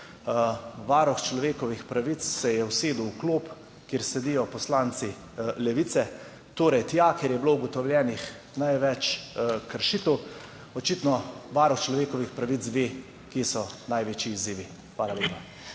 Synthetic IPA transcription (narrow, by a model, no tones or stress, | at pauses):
ʋaɾɔxt͡ʃlɔʋeːkɔʋixpɾaʋit̪ssɛjɛwseːd̪uwkloːp | kjeːɾsɛd̪ijɔpɔslaːnt̪si | lɛʋit̪sɛ | t̪oːɾɛjt̪jakeɾjɛblouɡɔt̪ɔwljɛːnix | najʋɛt͡ʃkəɾʃit̪əw | ɔt͡ʃit̪nɔʋaɾɔxt͡ʃlɔʋeːkɔʋixpɾaʋizd̪ʋeː | kisɔnajʋeːt͡ʃiːziːʋi | xʋaːlaleːpa